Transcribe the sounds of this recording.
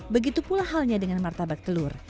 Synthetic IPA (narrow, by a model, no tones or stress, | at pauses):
bəɡit̪upulaɦalɲadəŋanmart̪abak̚t̪əlʊr